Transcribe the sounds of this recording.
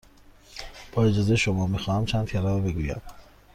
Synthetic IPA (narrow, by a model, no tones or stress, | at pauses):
b̥ɒːe̞d͡ʒɒːzejeʃo̞mɒːmixɒːhæmt͡ʃʰænd̪fʰeɾɒːɾbe̞ɡujæ̰m